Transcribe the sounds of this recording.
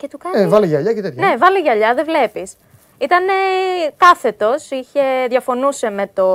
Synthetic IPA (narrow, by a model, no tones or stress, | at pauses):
cet̪ukɐnevɐliʝɐʎɐcet̪et̪çne̞vɐliʝɐʎɐðe̞vle̞pis | it̪ɐne̞kɐθe̞t̪o̞siçe̞ðʝɐfo̞nuse̞me̞t̪o̞